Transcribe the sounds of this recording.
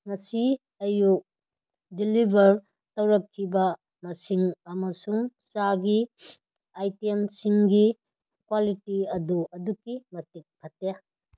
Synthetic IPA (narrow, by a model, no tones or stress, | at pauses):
ŋɐsi | ɐjuk̚ | dilibʱɐɾ | tɐwɾɐkʰːibɐ | mɐsiŋɐmɐsuŋsaɡi | ajtiemsiŋɡi | kwalitiɐduʔɐdukːimɐtik̚bʰʱɐte